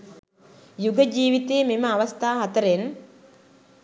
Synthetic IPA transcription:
juɡəd͡ʒiːʋit̪eːmeməaʋɐst̪aːɦat̪əɾen

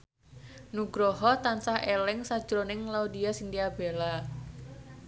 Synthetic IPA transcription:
nuɡ̥ɾɔɦɔt̪ansahelɪŋsad̥ʒ̥ɾonɪŋlaud̪ijasind̪iab̥ela

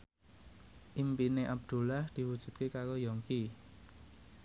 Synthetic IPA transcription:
ʔimpineʔab̚d̪̥ṳlahd̪̥i̤wud̥ʒ̥ṳd̪̚kekaɾojɔŋki

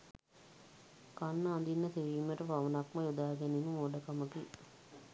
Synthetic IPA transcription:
kanːɐand̪inːɐt̪eʋiːmeʈɐpaʋɐnakmɐjud̪aːɡɛnimumoɖəkaməki

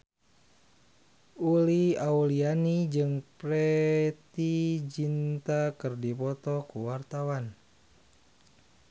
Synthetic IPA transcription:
uliaulianid͡ʒɨŋpɾɛt̪id͡ʒint̪akərdipɔt̪ɔkuwart̪awan

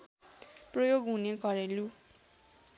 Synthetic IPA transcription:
projoɡɦunekʌɾelu

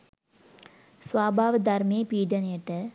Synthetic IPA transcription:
sʋaːbʱaːʋɐd̪ɐɾmeːpiːɖɐneʈːɐ

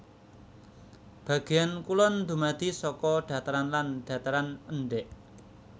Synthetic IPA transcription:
b̥ä̤ɡ̥e̤jankulɔnd̪ṳmad̪̥i̤sɔkɔɖ̪̥ä̤t̪aɾanlanɖ̪̥a̤t̪aɾanəɳɖɛʔ

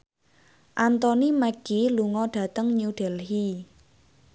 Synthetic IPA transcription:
ʔant̪ɔnimɛɡ̥iluŋɔɖ̥ä̤t̪əŋɲuuɖ̪̥ɛ̤lɦi

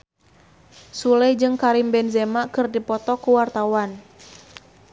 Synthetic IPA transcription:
sulɛjd͡ʒɨŋkaɾimbɛnzɛmakɨrdipɔt̪ɔkuwart̪awan

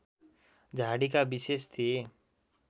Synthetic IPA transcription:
d͡ʒʱaːɽikabɪseʃt̪ʰe

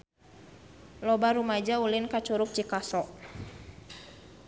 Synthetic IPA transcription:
lɔbaɾumad͡ʒaulɪnkat͡ʃuɾuk̚t͡ʃikasɔʔ

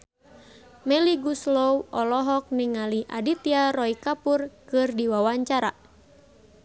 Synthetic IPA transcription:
mɛliɡuslowʔɔlɔɦɔk̚niŋaliʔa̰dit̪iaɾɔikapurkɨrdiwawaɲt͡ʃaɾa̰

